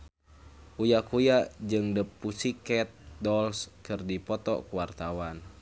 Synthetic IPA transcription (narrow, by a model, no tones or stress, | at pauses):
ʔujakujad͡ʒɨŋdəpːusikɛt̪̚dɔlskɨrdipɔt̪ɔ̰kuwart̪awan